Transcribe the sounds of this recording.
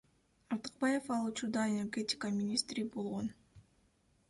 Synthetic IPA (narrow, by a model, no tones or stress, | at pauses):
ɑɾt̪ɨ̥q̚bɑje̞fɑlˠut͡ʃuɾd̪ɑenʲe̞rɡʲe̞tʲɪ̥kəmʲinʲist̪ɾʲibo̞lˠʁo̞n